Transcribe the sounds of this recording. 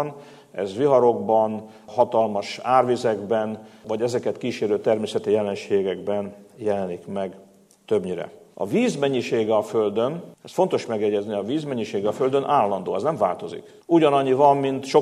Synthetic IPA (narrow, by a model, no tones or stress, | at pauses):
n | ɛ̰zʋiɦɒɾo̞ɡbɒn | hɒt̪ɒlmɒʃaːrvizɛɡbɛnvɒɟɛzɛkɛt̪kiːʃeːɾøːt̪ɛrmeːsɛt̪ijɛlɛnʃeːɡɛɡbɛnjɛlɛnikmɛɡ | t̪ø̞bɲiɾɛ̰ɒ̰viːzmɛɲːiʃeːɡɛɒføld̪ø̞nɛsfo̞nt̪o̞ʃmɛɡjɛɟɛzniɒviːzmɛɲːiʃeːɡɛɒføld̪ønʔaːlːɒnd̪o̰ːɛznɛɱva̰ːlt̪o̞zḭk | uɟɒnɒɲːivɒmːint̪ʃo